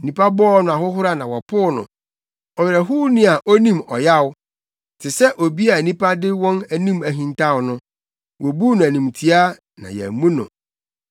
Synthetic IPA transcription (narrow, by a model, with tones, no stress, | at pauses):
nĩ˨pʰa˦bɔ˦nʊ̃˨a˨hʊ˦ɦʊ˦ɾa˦nã˨wɔ˨pʰʊː˦nʊ̰̃˨ | ɔ˨jɪ˨ɾɛ˨ɦu˦nĩ˦a˨ʔo˦nĩ˦mɔ̰˨ja˦w | tʰɪ˨sɛ˦ʔo˨bi˦a˨nĩ˦pʰa˦dɪ˦wɔ̃˦næ˨nĩ˦mæ˨ɦĩ˨n˦tʰa˦˨wʊ˨nʊ̃˦ | wɔ˨bu˦nʊ̃˨æ˨nĩ˨mtʰi˦a˦ | nã̰˨jɛ̰˨˦mũ˦nʊ̰̃˨